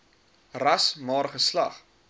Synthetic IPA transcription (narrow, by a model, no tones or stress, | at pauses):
rɐsmɑːɾχəslɐχ